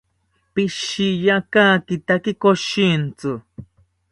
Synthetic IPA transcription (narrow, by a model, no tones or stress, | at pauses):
pɪʃijakaːkɪt̪akɪkoʃint͡sɨ